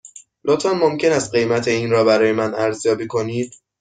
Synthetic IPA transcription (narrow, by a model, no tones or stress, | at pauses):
lot̪ʰɒnmomcʰe̞næst̪̚ɢe̞jmæt̪ʰe̞iːnɾɒːbæɾɒːje̞mænæɾzjɒːbiːkʰo̞niːd̪̥̚